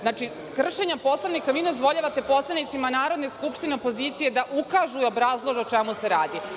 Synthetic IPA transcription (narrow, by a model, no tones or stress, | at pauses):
znaːt͡ʃi | kr̩ʃe̞ɲapo̞slˠaʋnikaʋiːnozʋo̞ʎaʋat̪e̞po̞slˠanit̪simanaːɾo̞d̪neskupʃt̪ineopo̞ziːt̪sije̞d̪aʔukaʒuio̞bɾaːzlˠo̞ʒeot͡ʃemuse̞ɾaːd̪i